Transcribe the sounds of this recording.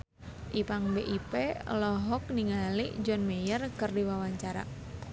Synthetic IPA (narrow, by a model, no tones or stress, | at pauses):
ʔipaŋbeʔipelɔɦɔk̚niŋalḭd͡ʒɔnmejərkɨrdiwawaɲt͡ʃaɾa̰